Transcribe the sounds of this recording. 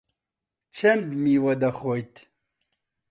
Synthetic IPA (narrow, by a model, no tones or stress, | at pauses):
t͡ʃʰɐmdmiːwɐd̪ɐxojt̪